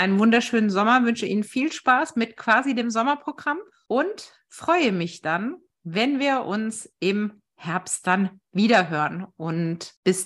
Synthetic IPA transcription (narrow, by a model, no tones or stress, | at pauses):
ʔaɪnənvʊndɐʃøːnənzɔmɐvʏnʃəʔḭːnənfiːlʃpaːsmɪtkv̥aːzideːmzɔmɐpʁ̥oɡʁam | ʔʊnt | fʁ̥ɔʏəmɪçd̥an | vɛnviːɐʔʊnsʔɪm | hɛɐpst̚d̥anviːdɐɦøːʁənʔʊntb̥ɪs